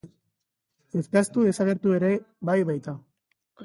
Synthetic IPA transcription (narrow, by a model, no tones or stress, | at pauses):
eskast̪uðe̞saɣ̞e̞ɾt̪ue̞ɾe̞ | bajβajt̪a